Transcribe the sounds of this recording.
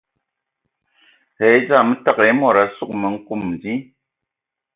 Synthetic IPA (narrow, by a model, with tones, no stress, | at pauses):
he˨˦jd͡za˦˨mɨ˦ta˦ke˨˦mɔ˦˨ɾa˨˦su˦˨k̚mə˨ŋ̩˦ku˦˨m˨di˦